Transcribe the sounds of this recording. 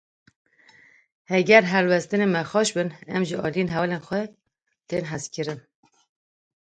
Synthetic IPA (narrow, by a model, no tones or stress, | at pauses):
hɛɡɛɾɦɛɾwɛst̪ɨnemɛxɑːʃbɨnɛmʒiʔɑ̰ːlijenɦɛlenxʷɛ | t̪eːnɦæskʰɨɾɨn